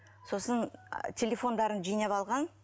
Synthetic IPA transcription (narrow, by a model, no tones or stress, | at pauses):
so̞səntʲʰe̞lʲefo̞nd̪ɑɾənʒijnɑpɑlˠʁɑn